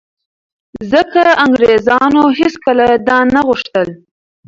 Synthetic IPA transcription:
zəkaaŋɡɾezɑnoɦeskəlad̪ɑnaɣuʂt̪əl

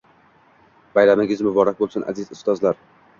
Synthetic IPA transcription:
b̥ajɾamɪɡʲɪzmʊbɒɾak̚ʲbolˠsʊnʔa̰zɪzʊst̪ɒzlaɾ

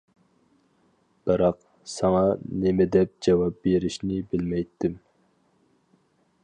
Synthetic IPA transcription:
b̥ɨɾɑq | sɑŋɑnemɪd̪ɛp̚d͡ʒɑwɑp̚beɾɪʃnɪbɪlmɛjt̪ʰːɪm

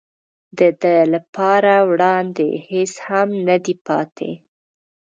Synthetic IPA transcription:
d̪əd̪əlapɑɾawɽɑnd̪ḛheshamnad̪ipɑ̰t̪ʰḛ

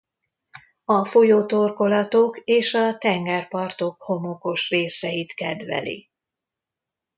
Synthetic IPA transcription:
ɒfojoːt̪orko̞lɒt̪o̞keːʃɒt̪ɛŋɡɛrpɒrt̪o̞kho̞mo̞ko̞ʃreːsɛjit̪kɛd̪ʋɛ̰lḭ

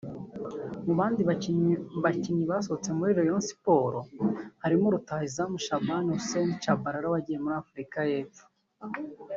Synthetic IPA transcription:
muβaːndiββaciɲiβasot͡se̞muɾiːɾo̞jonsi̥po̞ːɾohaɾimuɾutaizamuʃabanuusenit͡ʃabaɾaɾaβaɟijemuɾaːfuɾikaje̞ːfu̥

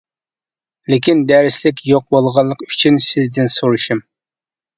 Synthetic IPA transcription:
lɪkʲind̪ɛɾɪslɪkʲjoq̚bolˠʁɑlˠəqy̥t͡ʃʰynsɪzd̪ɪnsoɾuʃum

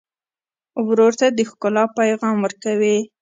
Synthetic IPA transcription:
wɾoɾt̪ad̪əxkʊlɑpajɣɑmwəɾkawi

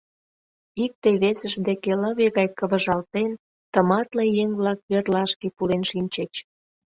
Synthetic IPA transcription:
ik̚t̪eβesə̆ʒd̪ekeləβeɣɑjkəβə̆ʒɑlt̪en | t̪ə̆mɑt̪lejeŋβlɑk̚βerlɑʃkepulenʃinʲt͡ɕet͡ɕ

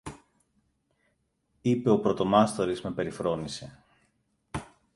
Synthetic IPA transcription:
ipe̞opɾo̞t̪o̞mɐst̪o̞ɾizme̞pe̞ɾifɾo̞nise̞

